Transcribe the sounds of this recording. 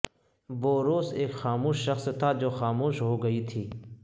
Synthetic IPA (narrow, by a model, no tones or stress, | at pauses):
boːɾoːseːkxaːmuːʃːɐxst̪ʰːad͡ʒoːxaːmuːʃɦoːɡɐiːt̪ʰiː